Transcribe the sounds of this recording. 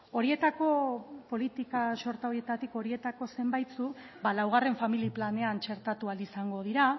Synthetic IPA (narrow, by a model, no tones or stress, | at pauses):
o̞ɾie̞t̪ako̞po̞lit̪ikaʃo̞ɾt̪awɾie̞t̪at̪iko̞ɾie̞t̪ako̞se̞mbajt̪t͡su | balawɣ̞are̞ɱfamiliplane̞ant͡ʃe̞ɾt̪at̪ualisaŋɡo̞ð̞iɾa